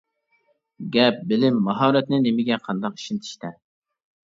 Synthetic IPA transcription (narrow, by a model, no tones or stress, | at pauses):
ɡʲɛp̚bɪlɪmːɑɦɑːɾɛt̪nɪnemɪɡʲɛqʰɑnd̪ɑqi̥ʃint̪ʰi̥ʃt̪ɛ